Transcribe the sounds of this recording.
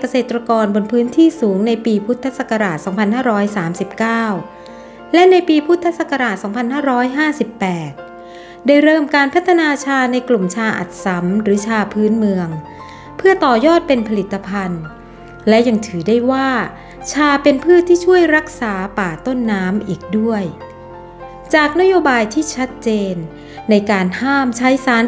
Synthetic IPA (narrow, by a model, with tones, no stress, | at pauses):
ka˧seː˨˩t̪ːɾa˧kɔː˧nbo˧npʰɯː˦˥nt̪ʰiː˥˩suː˩˦ŋna˧jpiː˧pʰu˦˥t̪ʰːa˦˥sa˨˩ka˧ɾaː˨˩t̪̚sɔː˩˦ŋpʰa˧nhaː˥˩ɾɔː˦˥jsaː˩˦msi˨˩p̚kaː˥˩w | lɛ˦˥na˧jpiː˧pʰu˦˥t̪ʰːa˦˥sa˨˩ka˧ɾaː˨˩t̪̚sɔː˩˦ŋpʰa˧nhaː˥˩ɾɔː˦˥jɦaː˥˩si˨˩pːɛː˨˩t̪̚ | daː˥˩jɾɤː˥˩mkaː˧npʰa˦˥t̪ʰːa˧naː˧t͡ɕʰaː˧na˧jklu˨˩mt͡ɕʰaː˧ʔa̰˨˩t̪̚sa˩˦mɾɯː˩˦t͡ɕʰaː˧pʰɯː˦˥nmɯ˧əŋ | pʰɯ˥˩ɐt̪ɔː˨˩jɔː˥˩t̪̚pe˧npʰa˧li˨˩t̪ʰːa˧pʰa˧n | lɛ˦˥ja˧ŋt̪ʰɯː˩˦da˥˩jwaː˥˩ | t͡ɕʰaː˧pe˧npʰɯː˥˩t̪ʰːiː˥˩t͡ɕʰu˥˩əjɾa˦˥k̚saː˩˦paː˨˩t̪o˥˩nːaː˦˥mʔiː˨˩k̚du˥˩əj | t͡ɕaː˨˩k̚na˦˥joː˧baː˧jt̪ʰiː˥˩t͡ɕʰa˦˥t̪̚t͡ɕeː˧nː | a˧jkaː˧nhaː˥˩mt͡ɕʰa˦˥jsaː˦˥n